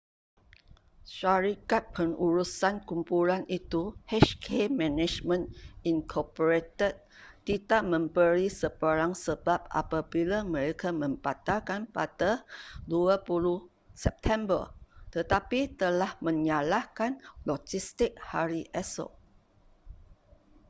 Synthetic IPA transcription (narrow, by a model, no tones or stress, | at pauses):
ʃaɾikat̪̚pʰəŋuɾusankumpulanit̪uhɛʃkʰemɛ̃nɛd͡ʒmə̃ninkʰɔpoɾet̪ət̪̚ːidaʔmə̃mbəɾisəpəɾaŋsəbap̚ʔa̰pabilamə̃ɾekamə̃mpat̪alkanpadaduapuluh | sɛp̚t̪ʰɛ̃mbə̰rt̪ət̪apit̪əlahmə̃ɲalahkanlɔd͡ʒist̪ɪk̚haɾiʔɛso̰